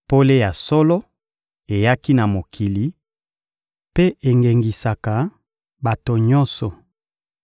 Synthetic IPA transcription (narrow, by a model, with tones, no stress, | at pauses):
po˦le˦ja˨sɔ˦lɔ˦ | e˨ja˦ki˦na˨mo˨kʰi˨li˨ | pe˦ʔe˨ŋɡe˨ŋɡi˨sa˨ka˨ | ba˨to˨ɲɔ˦nsɔ˨